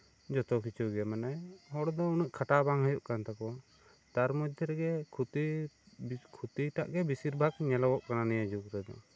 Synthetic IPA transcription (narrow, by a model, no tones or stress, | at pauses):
d͡ʒɔt̪ɔkit͡ʃʰuɡɛmanajhɔɽd̪ɔuniʔ̚kʰaʈabaŋɦajuʔkant̪akɔ | t̪aɾmɔd͡ʒ̪ʱɛɾɛɡɛt̪i | kʰut̪iʈa̰ʔɡɛbisiɾbʱaɡɲɛlabɔʔkananijad͡ʒukɾɛd̪ɔ̰